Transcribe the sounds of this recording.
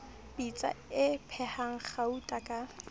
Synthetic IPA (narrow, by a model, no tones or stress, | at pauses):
bit͡sʼa̰ɪpʰɛhaŋ̩χautʼakʼa